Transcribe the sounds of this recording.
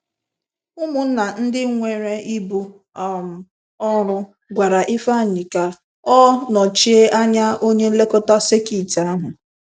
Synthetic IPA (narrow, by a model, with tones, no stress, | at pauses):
ʊ˦mʊ˨n̩˦na˨n̩˦dɪ˦ŋʷe˨ɾe˦i˦bu˦ | m̩˨ | ɔ˦ɾʊ˦ | ɡʷa˨ɾa˨ʔi˦fa˦˨ɲɪ˨ka˦ | ɔ˦nɔ˨t͡ʃi˦e˦ʔa˦ɲa˦o˦ɲe˦le˦kɔ˦ta˦se˦ki˦˨ta˨˦a˦ɦʊ˨